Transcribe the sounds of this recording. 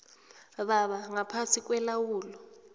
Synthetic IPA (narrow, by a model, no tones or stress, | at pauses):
βaβaŋapʰasik̬ʼwɛlawuːlɔ